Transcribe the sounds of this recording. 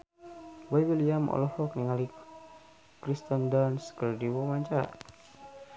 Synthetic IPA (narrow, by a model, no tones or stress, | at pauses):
wajbiliamɔ̰lɔhɔkniŋali | kɾist̪əndanskəldiwɔmaɲt͡ʃa